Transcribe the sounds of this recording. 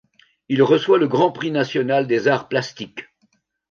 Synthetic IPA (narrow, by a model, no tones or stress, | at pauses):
ilʁəswaləɡʁɑ̃pχinasjɔnald̪ezaʁplast̪ik